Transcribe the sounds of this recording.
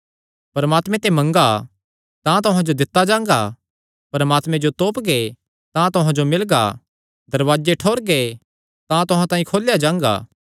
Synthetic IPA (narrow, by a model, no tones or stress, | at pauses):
pɐɾmaːt̪mẽt̪emɐ̃ŋɡa | t̪ãt̪̬ʊɦãd͡ʒod̪ɪt̪ːad͡ʒãːŋɡa | pɐɾəmaːt̪mẽd͡ʒot̪oːpɡe | t̪ãt̪ʊɦãd͡ʒomɪlɡa̰ | d̪ɐɾʋaːd͡ʒeʈʰoːɾɡe | t̪ãt̪ʊɦãt̪ãːĩkʰoːljad͡ʒãːŋɡa̰ː